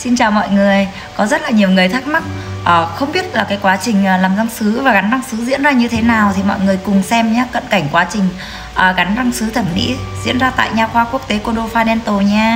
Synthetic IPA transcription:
si˧nt͡ɕaː˨˩wmɔ̰˧˨jŋɨ˨˩əj | kɔ˨˦zə˦˥t̚laː˨˩ɲi˨˩əwŋɨ˨˩əjt̪ʰa˦˥k̚ma˦˥t̚ʔəː˨˩xə˧wŋ͡mɓi˦˥ət̚laː˨˩kaː˨˦jkwaː˨˦t͡ɕï˨˩ŋ̟ʔːlaː˨˩mza˧ŋsɨ˨˦vaː˨˩ɣa˨˦nɗa˧ŋsɨ˨˦zḭ˧˥ənzaː˧ɲɨ˧t̪ʰe˨˦naː˨˩wt̪ʰi˨˩mɔ̰˧˨jŋɨ˨˩əjkʊ˨˩ŋ͡msɛ˧mɲaː˨˦kə̰˧˨nka˧˩jŋ̟kwaː˨˦t͡ɕï˨˩ŋ̟ | ʔəː˨˩ɣa˨˦nɗa˧ŋsɨ˨˦t̪ʰə˧˩nmḭ˧˥zḭ˧˥ənzaː˧t̪a̰ː˧˨jɲaː˧˩xwaː˧ku˦˥ək̚t̪e˨˦ko˧˩ɗo˧faː˧nɛ˧nt̪o˨˩ɲaː˧

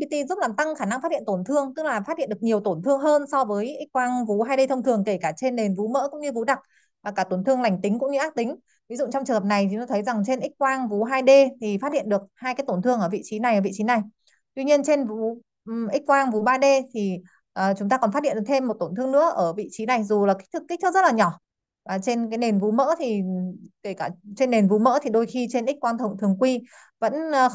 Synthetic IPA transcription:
ki˧˩t̪i˧zu˦˥p̚laː˨˩mt̪a˧ŋxaː˧˩na˧ŋfaː˦˥t̚hḭ˧˨t̪o˧˩nt̪ʰɨ˧əŋt̪ɨ˦˥k̚laː˨˩faː˦˥hḭ˧˨nɗɨ˨˩ə˩k̚ɲi˨˩əwt̪o˧˩nt̪ʰɨ˧əŋɦəː˧nsɔ˧vəː˨˦jʔi̟˦˥kwaː˧ŋvu˨˦ɦaː˧jɗe˧t̪ə˧wŋ͡mt̪ʰɨ˨˩əŋke˧˩kaː˧˩t͡ɕe˧nːe˨˩nvu˨˦mə̰ː˧˥kʊ̰˧˥ŋ͡mɲɨ˧vu˨˦ɗa˨˩k̚ | vaː˨˩kaː˧˩t̪o˧˩nt̪ʰɨ˧əŋla˨˩jŋ̟t̪ï˨˦ŋ̟kʊ̰˧˥ŋ͡mɲɨ˧ʔaː˦˥k̚t̪ï˨˦ŋ̟ | vi˨˦zʊ̰˧˨t͡ɕɔ˧ŋ͡mt͡ɕŋhə˨˩na˨˩jʰi˨˦t̪o˧˩t̪ʰə˨˦jza˨˩ŋt͡ɕe˧nʔi˦˥k̟̚kwaː˧ŋvu˨˦ɦaː˧jɗe˧t̪ʰi˨˩fa˦˥hḭ˧˨ənɗɨ˨˩ək̚haː˧jkaː˨˦jt̪o˧˩nt̪ʰɨ˧əŋʔəː˧˩vḭ˧˨t͡ɕi˨˦na˨˩jʔəː˧˩vḭ˧˨t͡ɕi˨˦na˨˩j | t̪wi˧ɲi˧ənt͡ɕe˧nvu˨˦ | ʔï˦˥k̚kwaː˧ŋvu˨˦ɓaː˧ɗe˧t̪ʰi˨˩ | ʔəː˨˩t͡ɕʊ˨˦ŋ͡mt̪aː˧kɔ˨˩nfa˦˥t̚hḭ˧˨ɗ̚t̪ʰe˧mːo˨˩t̚t̪o˧˩nt̪ʰɨ˧əŋnɨ̰˧˥əʔəː˧˩vḭ˧˨t͡ɕi˨˦na˨˩jzu˨˩laː˨˩k̟̚t̪ʰɨ˦˥kːk̚t̪̚ʰzə˦˥laː˨˩ɲɔ˧˩ | a˨˩t͡ɕe˧nkaː˨˦jne˨˩nvu˨˦mə̰ː˧˥t̪ʰi˨˩ke˧˩kaː˧˩t͡ɕe˧nːe˨˩nvu˨˦mə̰˧˥t̪ʰi˨˩ɗo˧jxi˧t͡ɕe˧nʔi˦˥k̟̚kwaː˧nt̪ʰə˨˩wŋ͡mt̪ʰɨ˨˩əŋkwi˧ | və̰˧˥nː˨˧

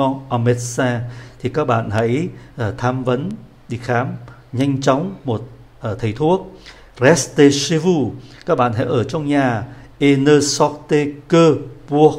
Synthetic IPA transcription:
ɔ˧ʔa˧mɛ˦t̚saː˧t̪ʰi˨˩kaː˦˥k̚ɓa̰ː˧˨nhə̰˧˥jʔt̪ʰaː˧mvə˨˦n | ɗi˧xaː˨˦m | ɲa˧jŋ̟t͡ɕɔ˨˦wŋ͡mmo˨˩t̚ | ʔt̪ʰə˨˩jt̪ʰu˦˥ək̚ | rɛ˦˥st̪e˧si˧vu˧kaː˦˥k̚ɓa̰ː˧˨nɦa̰˧˥jʔəː˧˩t͡ɕɔ˧wŋ͡mɲaː˨˩ʔe˧nəː˧sɔ˦˥k̚t̪e˧kəː˧pu˧ə

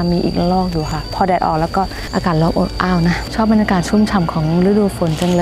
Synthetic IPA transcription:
a˧miː˧ʔḭː˨˩k̚lɔː˥˩k̚juː˨˩kʰa˧˥˩pʰɔː˧dɛː˨˩t̪̚ʔɔ̰ː˨˩klɛː˦˥wkɔː˥˩ | ʔa̰ː˧kaː˨˩t̪̚lɔː˧˥˩mʔo̰˨˩tʔaː˥˩wna˦˥t͡ɕʰɔː˥˩p̚ba˧nɲja˧kaː˨˩t̪̚t͡ɕʰu˥˩˨mt͡ɕʰa˧˩mkʰɔː˩˦ŋɾɯ˦˥duː˧˩fo˩˦nt͡ɕa˧ŋlː

